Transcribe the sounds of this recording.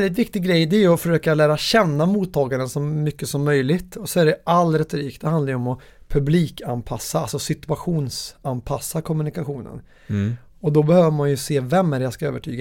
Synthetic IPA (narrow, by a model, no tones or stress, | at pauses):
lɪt̪̬vɪk̚t̪ɪɡɾɛjd̪ɛæɾjɵɔfœʂøːkalæːɾaɕɛnːamuːt̪ʰːɑːɡaɾənsɔmːʏkːəsɔmːœjlɪt̪ɔsɔæɖɛʔalɾɛt̪ːɾiːkt̪d̪ɛhand̪aɾjəɔmɔ | pʰɵbliːkʰanpʰasːaalsɔsɪt̪ɵaɧuːnsanpʰasːakʰɔmɵnɪkaɧuːnə̰n | ɔd̪ɔbɛhøːvəmanjɵseːvɛmːæːɾɛjaskaøːvəʈʰy̰ːɡa